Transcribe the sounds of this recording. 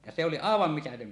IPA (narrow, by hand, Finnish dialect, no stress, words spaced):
jɑ se oli ɑˑeʋɑm mitætøm